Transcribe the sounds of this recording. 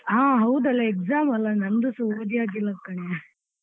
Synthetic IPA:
ɦãːɦɐwd̪ɐlːɐekzaːmɐlːɐnɐnd̪usuʋɐd̪ijaːɡilːɐkːɐɳe

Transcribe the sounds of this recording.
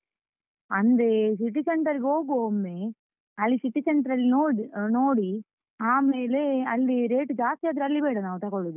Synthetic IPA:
ɐnd̪ɐsiʈisɛɳʈɐɾkoːkoːmːeː | ɐlːisɪʈisɛɳʈɾɐlinoːnoːɽi | aːmeːleɐlːiɾeːʈːɯd͡ʒaːst̪ijaːt̪̬ɯɾɐlːipɐjʈɐ̃nãːɐt̪ãːkɔɭːɯðɯ

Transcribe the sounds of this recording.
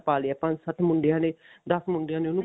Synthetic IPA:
paːliaːpãsət̪mʊɳɖɪjãːneːd̪əsmʊɳɖjãːneːoːnũ

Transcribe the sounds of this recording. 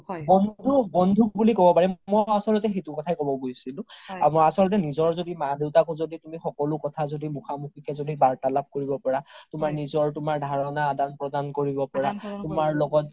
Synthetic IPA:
bɔndʱubɔndʱubulikɔbɔpaɹimɔjasɔlɔt̬ɛxejtukɔtʰajkɔbɔɡojsilʊ̃amɔasɔlɔt̬ɛnizɔɹzodimadeʊtakuzoditumixɔkɔlʊkɔtʰazodimuxamukʰikɛzodibaɹtalap̚koɹibɔpɔɹatʊmaɹnizɔɹtʊmaɹdʱaɹɔnaːdanpɹɔdankoɹibɔpɔɹatʊmaɹlɔɡɔt

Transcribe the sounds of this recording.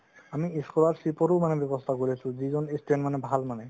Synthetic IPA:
amiiskɔlaɹsipɔɾumanɛbɔbɔst̪ʰakoɹisʊ̃zizɔnistenmanɛbʱalmanɛ

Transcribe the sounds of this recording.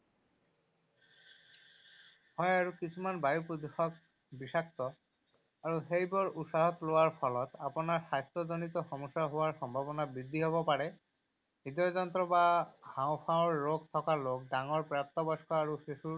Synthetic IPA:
hɔjaɹukisʰumanbajupod̪uxɔk̚ | bisak̚t̪ɔ | aɹuxejbɔɹutsaɦɔt̪lowaɹpʰɔlɔt̪apɔnaɹsajst̪ɔzonit̪ɔxɔmɔsaɦowaɹxɔmbʱabɔnabid̪ʱːiɦoβɔpaɹɛ | ɦid̪ɔzɔnt̪ɹɔbahawpʰãʊ̃ɹːoɡ̚t̪ʰɔkalok̚daŋɔɹpɹap̚t̪ɔbɔskɔaɹuxisu

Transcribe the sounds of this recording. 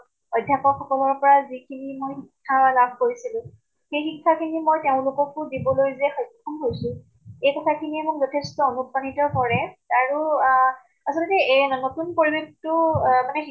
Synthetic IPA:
ɔjdʱjapɔkxɔkɔlɔɹpɔɹazikʰinimojxikʰːalab̚ʱkoɹisilʊ̃ | xejxikʰːakʰinimojteʊ̃lʊkɔkʊdibɔlojzɛxɔjʰɔnɦojsʊ̃ | ejkɔtʰakʰiniɛmʊkzɔtʰestɔɔnupɹanitɔkɔɹɛaɹu | asɔltɛnotunpoɹibektʊmanɛx

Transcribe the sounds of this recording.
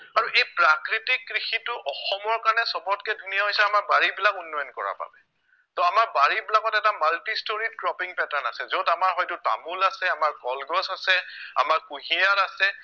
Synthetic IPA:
aɹuʔejpɹakɹitikːɹixitʊʔɔxɔmɔɹkanɛsɔbɔtkɛdʱunijaɦojsɛamaɹbaɹibilakunːɔjɔnkɔɹa̰pa̰bɛ | tɔamaɹbaɹibilakɔtɛtamaltistoɹidkɹɔpiŋpɛtana̰sɛzotamaɹɦɔjtʊta̰mulasɛamaɹkɔlɡɔsasɛa̰maɹkuɦiaɹasɛ

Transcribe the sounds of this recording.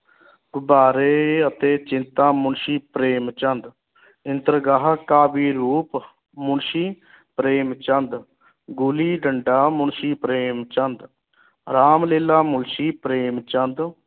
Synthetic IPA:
ɡʊbaːɾeːət̪eːt͡ʃɪnt̪ãːmʊɳʃiːpɾeːmt͡ʃənd̪ | ɪnt̪əɾɡaːɦkaːbiːɾuːp | mʊɳʃiː | pɾeːmt͡ʃənd̪ | ɡʊliːɖəɳɖaːmʊɳʃiːpɾeːmt͡ʃənd̪ | ɾaːmleːlaːmʊnʃiːpɾeːmt͡ʃənd̪

